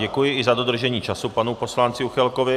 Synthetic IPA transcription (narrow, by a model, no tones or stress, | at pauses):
ɛkujɪɪzad̪o̞d̪r̩ʒɛɲiːt͡ʃasupanuposlant͡sɪuxɛlkovɪ